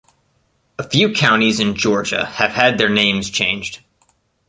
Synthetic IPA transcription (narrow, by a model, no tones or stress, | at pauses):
əfjʉkʰãʊ̃ñizɨ̃nd͡ʒɔɹd͡ʒɨ̰ɨv̥ɨd̪̚ðə˞nẽɪ̃mz̥t͡ʃʰẽɪ̃nd͡ʒd̥